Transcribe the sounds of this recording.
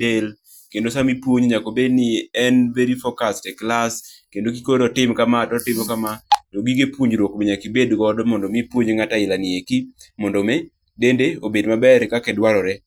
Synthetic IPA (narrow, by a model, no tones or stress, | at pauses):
el | kendosamipwoɲɲakobednɪɛnveɾifɔkastɛklaskendokikoɔtɪmkamatɔtɪmɔkamatoɡiɡepwoɲd͡ʒɾwokmɪɲakibedɡɔdmɔndɔmipwoɲŋataɪlanɪeki | mɔndɔmɛ | dendeobedmabɛɾkakɛdwaɾɔɾɛ